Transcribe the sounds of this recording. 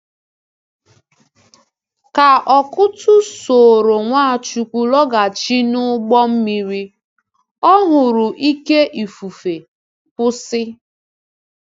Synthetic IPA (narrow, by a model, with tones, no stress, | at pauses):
ka˨ɔ˨kʊ˦tʊ˦so˨ɾo˨ŋʷa˦a˨t͡ʃu˨kʷu˨lɔ˦ɡa˨t͡ʃi˦nʊ˦ɡ͡bɔ˦m̩˦mi˦ɾi˦ | ɔ˦ɦʊ˨ɾʊ˨ʔi˦ke˦ʔi˨fu˨fe˨ | pʊ˦sɪ˦